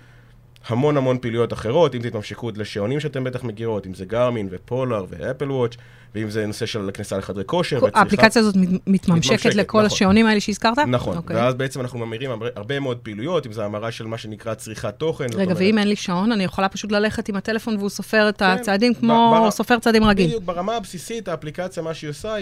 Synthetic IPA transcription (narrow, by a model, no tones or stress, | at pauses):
hamo̞nhamo̞npiːlujo̞taχe̞ʁo̞timt̪it̪mamʃekutleʃeo̞nimʃeatembe̞t̪aχme̞ɡiʁo̞t̪imzeɡaʁminvepʰo̞laʁvḛepelwot͡ʃ | veimzeno̞se̞ʃelknisaleχadʁeko̞ʃeʁeaːplikat͡sjaːzo̞tmit̪mamʃeket̪lekʰo̞laʃeonimaɐeleʃeiz̥kaʁt̪anaχonokeveazbeet͡semanaχnumamiʁimaeʔaʁbe̞meod̪̚peilujo̞timzeamaʁaʃelmaʃenikʁat͡sʁiχat̪o̞χenʁeɡaveimenliʃao̞nanijeχolapaʃut̬lale̞χe̞timat̪e̞lefo̞nveuso̞fe̞ʁet̪at͡saːd̪imkmo̞so̞fe̞ʁt͡saːd̪imʁaɡimubeʁamaːbsisit̪aːplikat͡sjamaʃiosa